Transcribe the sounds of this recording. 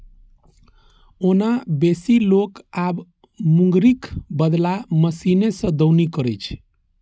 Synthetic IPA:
onabesilokab | muŋɡɾikbəd̪laməsinesə̃d̪əwnikəɾɛt͡ʃʰ

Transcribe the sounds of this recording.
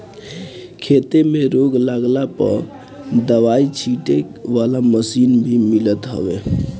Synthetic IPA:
kʰet̪emeɾoɡlaɡlapə̰ɾ | d̪əʋait͡ʃʰiʈekʋalaməsinbʱimilət̪ɦə̰be

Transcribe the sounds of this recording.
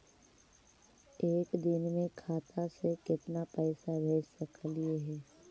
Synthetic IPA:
eːkd̪ɪnmẽkʰaːt̪ʰasekɪt̪napɛːsabʱeːt͡ʃsəklieɦɛː

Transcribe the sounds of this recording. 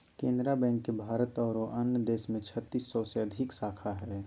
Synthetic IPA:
kẽːnd̪ɾabɛ̃ːŋkːebʱaːɾət̪ɔːɾoʔənjəd̪eːʃmẽt͡ʃʰət̪ːisːɔseɐd̪ʱɪksaːkʰaɦɛ

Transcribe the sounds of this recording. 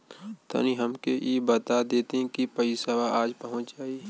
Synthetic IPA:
t̪ʰɐ̰niɦɐmkeʔjebət̪ad̪eːt̪eĩkipɐisəʋaʔaːd͡ʒpəɦʊ̃t͡ʃd͡ʒaːi

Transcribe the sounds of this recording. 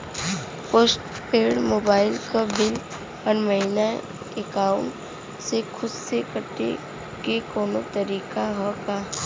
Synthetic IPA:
poːsʈ | peːɽmoːbaːɪlkabɪl | ɔɾməɦina | ekaːʊɳʈ | sekʰʊd̪sekəʈːḛ | kekɔːnot̪ɐɾiːkaɦɔkaː

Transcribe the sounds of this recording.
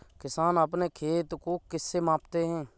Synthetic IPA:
kɪsaːnəpneːkʰeːt̪koːkɪsːeːmãːpt̪eːɦɛ̃ː

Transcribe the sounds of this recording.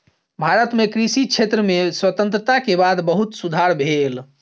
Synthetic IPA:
bʱaɾət̪mekɾisit͡ʃʰet̪ɾəmeswət̪ə̃nt̪ɾət̪akebad̪bəɦut̪sud̪ʱaɾbʱel

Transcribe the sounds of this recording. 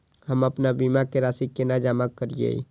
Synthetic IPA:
həməpnabimakeɾaːsikːenaːd͡ʒaːmakːəɾijḛḭ

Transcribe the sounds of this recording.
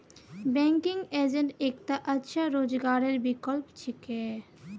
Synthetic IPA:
bɛŋkiŋɡed͡ʑeɳʈekt̪aʔətːʃʰaɾod͡ʑɡaɾeɾbikolpt͡ɕʰike

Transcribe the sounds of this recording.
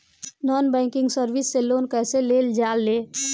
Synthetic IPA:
nɔnbɛŋkɪŋɡsəɾbisːelonkɛseleld͡ʒalːe

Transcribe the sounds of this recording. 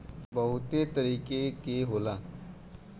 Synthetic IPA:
bəɦʊt̪et̪əɾiːkekeɦoːlaː

